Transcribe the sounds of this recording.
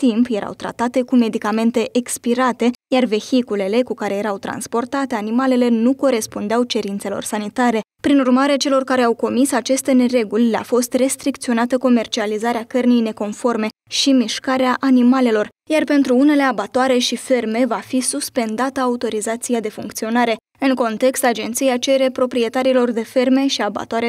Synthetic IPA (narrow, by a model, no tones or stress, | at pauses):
t̪impje̞ɾa̰wt̪ɾa̰t̪at̪e̞kume̞d̪ikame̞nt̪e̞ʔekspiɾat̪e̞jarve̞çikule̞le̞kukaɾe̞je̞ɾawt̪ɾa̰nspo̞rt̪at̪e̞animale̞le̞nuko̞ɾe̞spund̪eawt͡ʃe̞ɾint̪selo̞̰rsanit̪aɾe̞pɾinurmaɾe̞t͡ʃe̞lo̞rkaɾe̞awko̞misat͡ʃe̞st̪e̞ne̞ɾe̞ɡulʲlea̰fo̞st̪re̞st̪ɾikt̪sio̞nat̪əko̞me̞rt͡ʃializaɾeakərnijne̞ko̞nfo̞rme̞ | ʃimiʃkaɾeaʔanimale̞lo̞r | jarpe̞nt̪ɾuune̞le̞abat̪oaɾe̞ʃife̞rme̞vafisuspe̞nd̪at̪əaut̪o̞ɾizat̪sijad̪e̞fuŋkt̪sio̞naɾe̞ | ɨŋko̞nt̪e̞kst̪ad͡ʒe̞nt̪sijat͡ʃe̞ɾe̞pɾo̞pɾie̞t̪aɾilo̞rd̪e̞fe̞rme̞ʃiaba̰t̪oaɾe